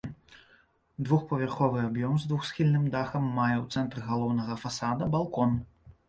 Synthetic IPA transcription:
d̪vuxpɐvʲarxɔvɨabjɔmzd̪vuxsxʲilʲnɨmd̪axɐmːajɛwt̪sɛnt̪ɾɨɣalˠɔwnɐɣɐfasad̪ɐbalˠkɔn

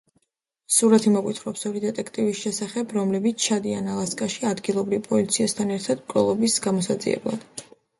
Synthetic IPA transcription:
suɾat̪ʰimɔkʼwit̪ʰχɾɔpsɔɾid̪ɛt̪ʼɛkʰt̪ʼivisʃɛsaχɛbɾɔmlɛbit̪sʰt͡ʃʰad̪ianalˠaskʼaʃiad̪ɡilˠɔbɾivpʼɔlit̪sʰiast̪ʰanɛɾt̪ʰad̪mkʼɾɔ̰lˠɔbisɡamɔsad̪zḭɛ̰blˠa̰d̪̥

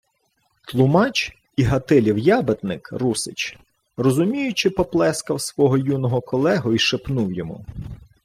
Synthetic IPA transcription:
t̪lˠʊmɑt͡ʃ | iɦɐt̪ɪlʲiwjɑbet̪nɪkrusɪ̰t͡ʃ | rɔzʊmʲijʊt͡ʃɪpɔplˠɛskɐwsʋɔɦɔjunɔɦɔkɔlˠɛɦʊiʃepnuwjɔmṵ

